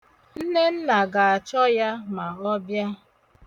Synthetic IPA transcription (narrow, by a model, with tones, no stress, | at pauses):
n̩˦ne˦n̩˦na˨ɡa˨a˨t͡ʃɔ˦ja˦ma˨ɔ˦bja˦